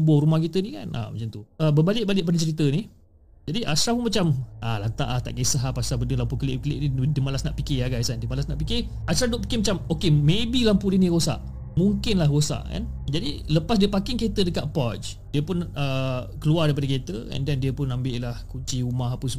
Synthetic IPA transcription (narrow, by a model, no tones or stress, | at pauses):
bʊhɾumahkit̪ənika̰nʔa̰mat͡ʃamt̪uʔəbəbalɪʔ̚balɪʔbanət͡ʃəɾit̪ənih | d͡ʒadiʔasɾahpunmat͡ʃamalant̪a̰ʔaht̪a̰ʔɡesaɦapasabənəlampukəlɪ̰ʔkəlɪ̰ʔnidimalasnaʔpikeaɡajsandimalasnaʔpikɪ | asɾadʊʔpi̥kemat͡ʃamokemebilampudiniɾosa̰ʔ | muŋkɪnlahɡosa̰ʔka̰nd͡ʒadiləpas̬diəpakɪŋket̪ədəkaʔ̪̚pɔt͡ʃ | diəpʊnəkəluardajpadəket̪əɛ̰ndɛndiəpʊnambɪʔlahkut͡ʃiumaɦapəsə